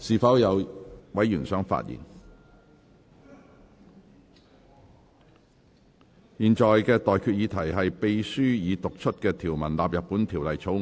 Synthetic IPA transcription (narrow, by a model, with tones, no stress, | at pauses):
siː˨fɐ˨˥wjɐ˨˧wwɐ˨˥jyː˨˩nsœː˨˥ŋfa̰ː˧˥t̚jḭ˨˩n | jiː˨nt͡ʃɔː˨jkɛː˧t̪ɔː˨jkʰyː˧t̚jiː˨˧t̪ʰɐ˨˩jɦɐ˨jpe˧jsyː˥jiː˨˧t̪ʊ˨k̚t͡ʃʰɵ˥t̚kɛː˧t̪ʰiː˨˩wmɐ˨˩nlaː˨p̚jɐ˨t̚pːuː˨˥nt̪ʰiː˨˩wlɐ˨jt͡sʰo˨˥w